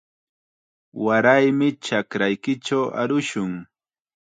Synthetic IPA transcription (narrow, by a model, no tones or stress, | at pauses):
waɾajmɪt͡ʃakɾajkɪt͡ʃawa̰ɾʊʃʊŋ